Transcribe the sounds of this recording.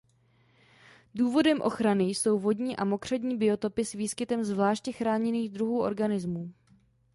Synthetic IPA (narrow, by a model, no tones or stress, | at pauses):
duːvo̞dɛmʔo̞̰xɾanɪjso̞wvo̞dɲiːʔamo̞kr̥ɛdɲiːbɪo̞t̪o̞pɪsviːskɪt̪ɛmzvlaːʃcɛxɾaːɲɛniːɣd̪ɾuɦuːʔo̞̰ɾɡanɪzmuː